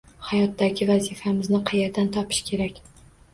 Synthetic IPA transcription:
hajɒt̪ːaɡʲɪvazifamɪznɪqʰɑjeɾd̪ant̪ʰɒpʰɪ̥ʃkʲʰe̞ɾakʲ

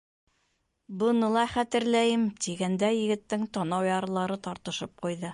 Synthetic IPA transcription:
bɤ̆nɤlˠɑχæt̪ɘ̆ɾlæjɘmt̪iɡænd̪æjɘ̆ɡɘ̆t̪ːɘŋt̪ɒnɑwjɑɾɤ̆lˠɑɾɤt̪ɑɾt̪ɤ̆ʃɤp̚qujðɤ

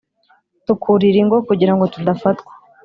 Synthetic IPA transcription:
tukʰuɾiɾiŋɡo̞kuɟiɾaŋɡo̞tudafatkwḁ

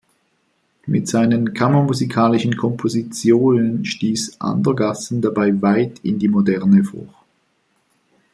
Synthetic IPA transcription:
mɪtz̥aɪnənkʰaməmuzikʰaːlɪʃn̩kʰɔmpʰozit͡sjoːnənʃtiːsʔa̰ndɐɡasn̩dabaɪvaɪtʰɪ̰ndiːmodɛʁnəfo̰ː

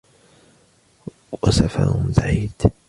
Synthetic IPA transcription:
wasafɑ̰ɾˤbaʕiːd̪̥

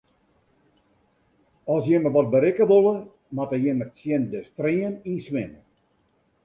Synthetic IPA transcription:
ɔsjɪməʋɔt̚bəɾɪkəʋolˠə | matəjɪməsjɪndəstriəninsʋɪnə

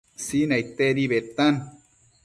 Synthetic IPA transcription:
sinait̪eɾiβet̪an

